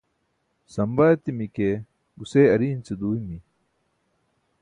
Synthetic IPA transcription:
sɐmbat̪imike | ɡuseːɐɾiːnt͡sed̪uːjmi

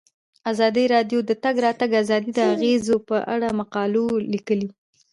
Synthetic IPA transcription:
azɑd̪iɾɑɖjod̪ət̪aɡɾɑt̪aɡazɑd̪id̪əaɣezopəʔa̰ɽamaqɑlolikəli

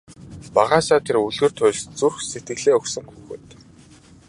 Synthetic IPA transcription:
paʁaːsaːt̪ʰeruɮɣɵ̆r̥t̪ʰʊjɮt͡surxset̪ɡɘ̆ɣɮeːɵksɵ̆ŋxuːxɘ̰ːt̪

